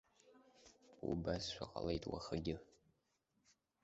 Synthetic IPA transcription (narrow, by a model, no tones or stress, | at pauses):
ubasʃʷaqʼalejtʼwa̰χaɡʲɪ